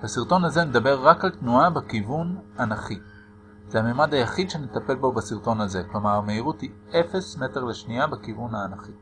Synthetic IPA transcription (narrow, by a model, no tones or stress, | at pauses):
b̥asiʁt̪o̞nhaze̞ned̪abe̞ʁːakalt̪nuabekivunanaχi | z̥ehamemadajaχid̪ʃe̞ne̞t̪ape̞lbo̞basiʁto̞naze̞klomaʁmeiʁuthi | efe̞sme̞te̞ʁleʃniabekivunhaːnaχi